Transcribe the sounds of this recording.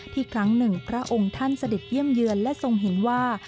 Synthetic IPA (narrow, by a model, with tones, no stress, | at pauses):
t̪ʰiː˥˩kʰɾa˦˥ŋnɯ˨˩ŋpʰɾa˦˥ʔo˧ŋt̪ʰa˥˩nsa˧de˨˩t̪̚ji˥˩əmjɯ˧ənlɛ˦˥so˧ŋɦe˩˦nwaː˥˩